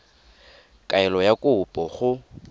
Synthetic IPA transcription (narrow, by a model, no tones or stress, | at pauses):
kʼaɛlɔjakʼʊpʼɔχʊ